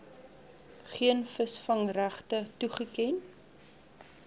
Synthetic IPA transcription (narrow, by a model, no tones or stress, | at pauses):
χiənfəsfɐŋræχtətuχəkɛn